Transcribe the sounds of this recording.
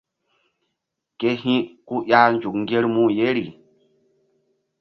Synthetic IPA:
ke˦hĩ˦ku˦ja˦nd͡ʒu˨kŋ˦ɡe˦ɾmũ˦je˦ɾi˨

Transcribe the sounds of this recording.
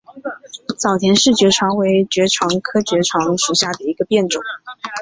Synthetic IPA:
t͡sɑ˨˩ʊt̪ʰjɛ˧˥nʂɻ̩˥˩t͡ɕɥɛ˧˥ʈ͡ʂʰɑ˧˥ŋwe˧˥ɪt͡ɕɥɛ˧˥ʈ͡ʂʰwɑ˧˥ŋkʰɤ˥t͡ɕɥɛ˧˥ʈ͡ʂʰwɑ˧˥ŋʂu˧˥ɕja˥˩d̪ə˩i˧˥ɡə˧pjɛ˥˩nʈ͡ʂʊ˨˩˦ŋ

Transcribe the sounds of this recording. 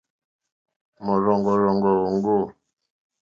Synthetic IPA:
mɔ˨ɾɔ˨ŋɡɔ˨ɾɔ˨ŋɡɔ˨ɣɔ˨ŋ˦ɡo˦˨

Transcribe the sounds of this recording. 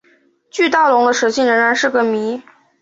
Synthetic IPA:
t͡ɕy˥˧t̪ɑ˥˩ʊlʊ˧˥ŋd̪ə˧ʂɤ˧˥ɕʰi˥˩nɻə˧˥ŋɻa˧˥nʂɻ̩˥˩ɡə˨˩mi˧˥

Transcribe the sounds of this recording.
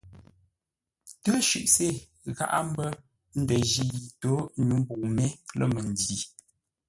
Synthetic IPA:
tə˦ʃʉ̰˨ʔse˦˨ | ɣa̰˦ʔa̰˦m˦bə˦ | n̩˦də˨ʒi˦ji˨to˨˦ɲu˨˦m̩˦bu˨ŋme˦lə̰˦˨mə˨n˨di˨

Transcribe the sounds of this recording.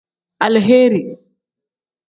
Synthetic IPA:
ʔa˨lɦeː˦ɾi˨

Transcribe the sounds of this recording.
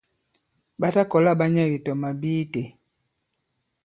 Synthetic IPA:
ba˦ta˦kɔ˨la˦˨ba˦ɲa˦˨ji˨tɔ˨ma˨biː˦te˨

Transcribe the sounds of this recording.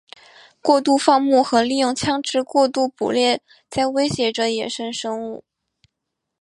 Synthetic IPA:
kwɔ˥˧t̪u˥˧fɑ˥˧ŋmu˥˩xɤ˧˥li˥˧jʊ˥˩˧ŋt͡ɕʰjɑ˥ŋʈ͡ʂɻ̩˥kwɔ˥˧t̪u˥˩pṵ˨˩ljɛ˥˩ | t͡sa˥˧ɪwe˥ɪɕjɛ˧˥ʈ͡ʂə˧jɛ˨˩ʂə˥nʂɤ˥ŋu˥˩

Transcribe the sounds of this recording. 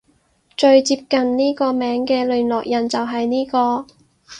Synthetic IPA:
t͡ʃɵ˧ɥt͡siː˧p̚kɐ˨nniː˥kɔː˧mɛː˨˥ŋkɛː˧lɵː˨˩nlɔː˨k̚jɐ˨˩nt͡sɐ˨wɦɐ˨jniː˥kɔː˧

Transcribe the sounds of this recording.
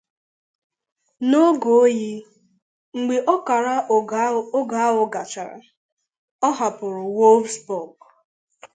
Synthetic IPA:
no˦ɡo˨˦ji˦ | ŋ͡m̩˨ɡ͡be˨ʔɔ˦ka˨ɾa˦ | o˦ɡa˨a˦ɦʊ˨ɡa˨t͡ʃa˨ɾa̰˨ | ɔ˦ɦa˨pʊ˨ɾʊ˨wo˦lvsbɔ˨ɡ

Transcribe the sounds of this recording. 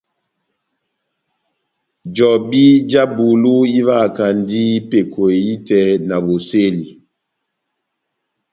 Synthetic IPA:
d͡ʒɔ˨bi˦d͡ʒa˦bu˨lu˦i˦va˦˨ka˨n˦di˦i˦pe˨kʰo˨e˨i˦tɛ˨˦na˨bo˨se˦li˨

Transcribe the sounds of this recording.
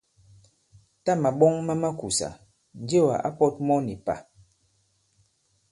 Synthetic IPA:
ta˦ma˨ɓɔ˦ŋma˦ma˦ku˨sa̰˨ | n̩˨˦d͡ʒe˦wa̰˨ʔa̰˦pɔ˦t̚mɔ˦ni˨pa̰˨

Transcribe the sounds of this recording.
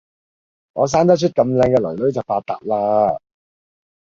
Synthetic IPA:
ŋɔː˨˧s̬aː˥nt̪ɐ˥t͡ʃʰɵ˥t̚kɐ˧mlɛː˧ŋkɛː˧lɵ˨˩lɵ˨˥ɥt͡sɐ˨wfaː˧t̚t̪ːa̰ː˨p̚laː˥

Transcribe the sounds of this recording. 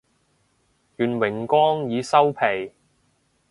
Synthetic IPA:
jyː˨˩nwɪ˨˩ŋkʷɔː˥ŋjiː˨˧sɐ˥wpʰe˨˩j

